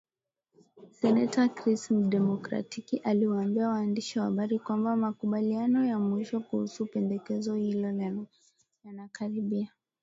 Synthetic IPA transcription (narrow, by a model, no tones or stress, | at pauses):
sɛnɛtakɾismɗɛmɔkɾa̰tikiʔaliwaːmbiawaːndiʃiwahaɓaɾikwambamakuɓalianɔjamwiʃɔkuhusupɛndɛkɛzɔhilɔla | janakaɾiɓia